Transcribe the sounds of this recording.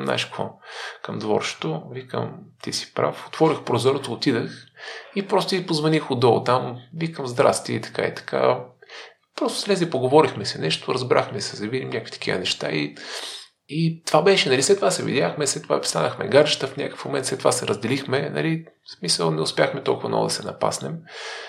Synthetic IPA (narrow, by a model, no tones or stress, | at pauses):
mna̰ʃkvo̰kəmd̪vɔ̰ɾt͡ʃt̪ovikə̰mt̪isi̥pɾa̰fo̥t̪vɔɾixpɾozɔɾot̪ːt̪id̪əxipɾɔst̪ʊipozvɐnixʊd̪ɔ̰t̪amvikəmzd̪ɾa̰st̪iəit̪ɐ̥ka̰ḭt̪ɐ̥kʰa̰ | pɾɔst̪o̥slɛzʲipoɡovɔɾixmɛsɛnɛʃt̪ʊɾəzbɾʔa̰xmɛsɛzɐvid̪imnɲʲakəkfvit̪ɐ̥kʰʲivə̰nɛʃt̪a̰i | it̪ovabɛʃɛnɐlislɛt̪ːovasɛvḭdʲjaxmɛslɛt̪ːova̰̥st̪a̰nəxmɛ̰ɡaɾd͡ʒət̪əfnʲakə̥fmomɛnt̪slɛt̪ova̰sɛɾʔəzd̪ɛlixmɛnɐ̰lismisə̰lˠnɛʊspʲjaxmɛt̪ɔ̰lˠkʊvɐnɔ̰vʊ̰d̪ɐsɛnɐpa̰snɛ̰m